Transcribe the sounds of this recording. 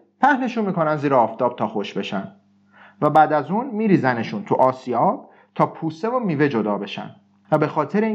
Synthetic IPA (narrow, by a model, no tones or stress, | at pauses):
pʰæhne̞ʃunmiːkʰo̞nænd̪ziːɾeɒːft̪ʰɒːb̥̚t̪ʰɒːxo̞ʃbe̞ʃæn | væbæːd̪æzuːnmiːɾiːzæne̞ʃunt̪ʰuʔɒːsiɒːb̥̚ | t̪ʰɒːpʰuːse̞vomiːve̞d͡ʒo̞d̪ɒːbe̞ʃæ̰n | væbe̞xɒːt̪ʰe̞ɾe